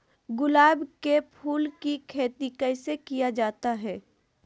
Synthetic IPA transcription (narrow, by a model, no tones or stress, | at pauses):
ɡʊlaːbkepʰuːlkikʰeːt̪ikəɪsekijad͡ʒaːt̪aɦɛː